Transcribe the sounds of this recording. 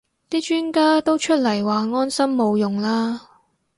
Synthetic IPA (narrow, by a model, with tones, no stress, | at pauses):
t̪iː˥t͡ʃyː˥nkaː˥t̪o˥wt͡ʃʰɵ˥t̚lɐ˨˩jwaː˨˧ŋɔː˥nsɐ˥mːo˨˧wjʊ˨˩ŋlaː˥